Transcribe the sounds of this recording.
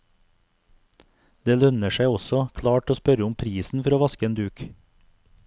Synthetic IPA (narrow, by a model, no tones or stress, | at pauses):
d̪eːlœnəʃæɪɔsɔkʰlɑːʈoːspœɾəʊmpʰɾiːsn̩fɔɾoːʋɑskəeːnd̪ʉːk